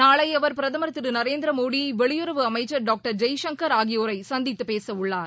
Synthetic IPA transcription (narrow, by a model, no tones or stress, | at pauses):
naːɭɐɪɐʋɐɾpɪɾɐðɐmɐɾɐt̪ːɪɾɯnɐɾeːnd̪ɪɾɐmoːɽiʋɛɭɪjʊɾɐʋɯɐmɐɪt͡ʃːɐɾɖaːk̚ʈɐɾd͡ʒɐjʃɐŋkɐɾaːɣɪjoːɾɐɪsɐnd̪ɪt̪ːɯpeːsɐʊɭːaːɾ